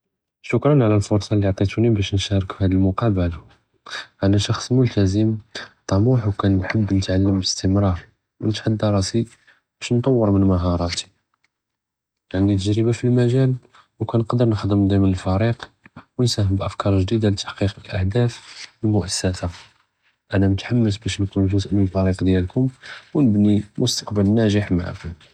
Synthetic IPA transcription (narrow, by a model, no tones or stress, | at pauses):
ʃʊkɾˤɑnʕlælfʊɾsˤɑlːiʕt̪ˤit̪unibæʃnʃɑɾˤəkfihæd̪əlmʊqɑbəl | ʔænæʃɑxsˤmʊlt̪æzəmt̪ˤːɑmuħwkænħəbːnət̪ʕalːəmbəst̪əmɾˤɑɾˤ | mənt̪ħad̪ːɑɾˤɑsi | b̥æʃnt̪ˤɑwːəɾmənməɦɑɾˤɑt̪i̥ | jaʕnit̪əʒɾəbafilmæʒæl | wkænqd̪əɾˤnəxd̪əmd̪ˤimənəlfæɾiqwənsæɦəmbʔəfkɑɾˤʒd̪id̪alət̪ːḁħqiqəlʔahd̪æfəlmʊʔæsːæsa | ʔænæmət̪ħamːəs̬bæʃnkunfusʔməlfæɾiqd̪jælkʊmwnəbnimʊst̪ɑ̥qbəlnæʒəħmaʕa̰kʊm